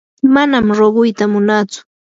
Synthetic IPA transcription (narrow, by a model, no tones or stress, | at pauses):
manamɾoɢʊjt̪amʊnaːt͡sʊ̥